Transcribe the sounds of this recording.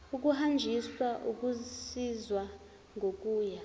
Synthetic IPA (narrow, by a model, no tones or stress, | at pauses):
uk̬ʼuɦand͡ʒʱiswaʔuk̬ʼusizwa | ŋʱokʼuːja